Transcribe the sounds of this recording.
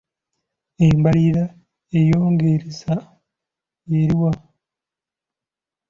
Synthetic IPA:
embaɾiɾa | ejoːŋɡeɾeza | jeɾiwa

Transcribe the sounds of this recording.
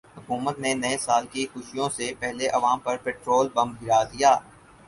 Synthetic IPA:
ɦʊkuːmət̪nenɐesaːlkixʊʃijõsepɛɦleʔɐʋaːmpɐɾpɛːʈɾoːlbɐ̃mb̚ɡɪɾad̪ijaː

